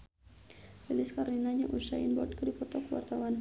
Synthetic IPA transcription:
ilɪskarinaɲaʔusainbɔrt̪̚kədipɔt̪ɔkəwa̰rt̪awan

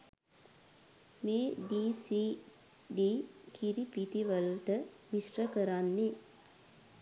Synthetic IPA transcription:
meːɖiːsiː | ɖiːkiɾipit̪iʋəlt̪ə | misrəkəɾanːe

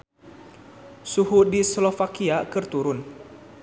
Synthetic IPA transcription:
suɦudislofakiakɨrt̪uɾʊn

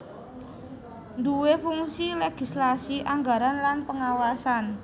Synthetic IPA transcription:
nd̪uwefuŋsileɡ̥i̤slasiʔaŋɡaɾanlanpəŋawasan

